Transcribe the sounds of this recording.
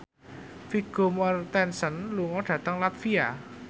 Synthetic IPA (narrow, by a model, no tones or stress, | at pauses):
fiɡ̥omɔrt̪ɛnsənluŋɔɖ̥ä̤t̪əŋlat̪fia